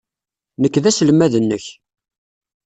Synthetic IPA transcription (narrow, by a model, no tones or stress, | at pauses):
nəkːðæsəlmæðənːəç